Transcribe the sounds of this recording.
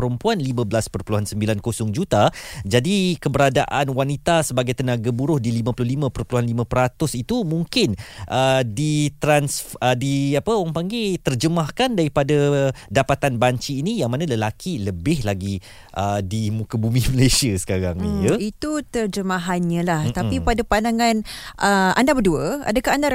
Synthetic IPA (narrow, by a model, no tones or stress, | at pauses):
əɾəmpuanlimãbəlaspərpuluɦansəmbilankosʊŋd͡ʒut̪ad͡ʒadikəbəɾadaʔanwanit̪asəbaɡajt̪ənaɡabuɾʊhdilimãpulʊhlimãpərpuluɦanlimãpəɾat̪ʊsit̪umuŋkɪnʔədit̪ɾansfədiapəwaŋpaŋɡet̪ərd͡ʒəmahkandaɾipadadapat̪anbaɲt͡ʃiːnijaŋmanãləlakʰiləbɪhlaɡi | ʔədimukəbumiməlesiasə̥kaɾa̰ŋiɲəit̪ut̪ərd͡ʒəmaɦanɲə̃laht̪aipadapandaŋanʔəʔa̰ndabəduəa̰dəkahanda